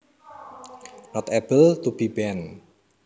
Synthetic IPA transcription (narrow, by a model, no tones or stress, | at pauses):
nɔt̪ɛpəlt̪ub̥ibɛn